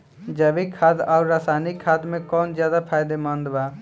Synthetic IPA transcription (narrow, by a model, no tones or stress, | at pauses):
d͡ʒəbikʰaːd̪aːuɾaːsaːnikʰaːd̪mẽkɔːnd͡ʒjaːd̪apʰaːɪd̪emə̃nd̪ba